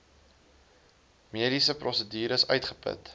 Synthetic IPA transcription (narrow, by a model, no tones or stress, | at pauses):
miəɾisəprʔɔsədiːɾəsœɥtχəpə̰t